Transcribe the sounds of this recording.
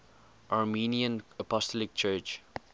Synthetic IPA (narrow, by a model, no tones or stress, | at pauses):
ʔaɹminiə̃nəpɔstɔlɪk̚t͡ʃɜːt͡ʃ